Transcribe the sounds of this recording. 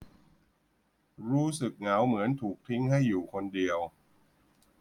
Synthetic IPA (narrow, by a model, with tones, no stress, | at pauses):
ɾuː˦˥sɯ˨˩k̚ŋa˩˦wmɯ˩˦ənt̪ʰuː˨˩k̚t̪ʰi˦˥ŋha˥˩jːuː˨˩kʰo˧ndi˧əw